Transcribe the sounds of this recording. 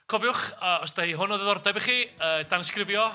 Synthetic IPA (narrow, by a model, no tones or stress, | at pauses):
kʰɔvjʊχəːɔsd̥ahiːɦʊnɔðɛðɔrdɛbiχiːəːd̥anəskrɪvjɔ